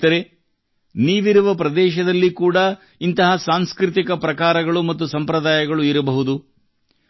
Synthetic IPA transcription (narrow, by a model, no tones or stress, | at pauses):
ɐɾe | niːʋiɾuʋɐpɾɐd̪ɛːʃɐd̪ɐlːikuːɽɐ | int̪ɐɦɐsaːŋskɾit̪ikɐpɾɐkaːɾɐɡɐɭumɐt̪̬ːusɐmpɾɐd̪aːjɐɡɐɭuiɾɐbɐɦud̪u